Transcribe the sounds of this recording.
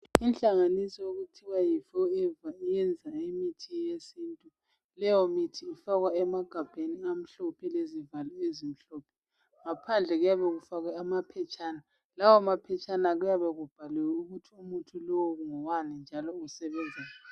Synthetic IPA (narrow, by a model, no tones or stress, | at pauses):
inɬʼaŋanisɔjoɣutʰiwajifɔɛvaijɛnd͡zʱaemitʰijesiːntʼu | lɛjɔmitʰiːfaɣwaɛmaɡ̥ʱab̥ʱeniam̩ɬɔpʰɛlezivalɔezim̩ɬɔːpʰɛ̥ | ŋapʰand͡ɮʱɛɣujaβɛɣufaɣwaamapʰɛt͡ʃʼaːna | lawɔmapʰɛt͡ʃʰʼanaɣujaβɛɣub̥ʱalɛwuɣutʰiumutʰulɔwɔɣuŋɔwanind͡ʒʱalɔusɛβɛnd͡zʱɛla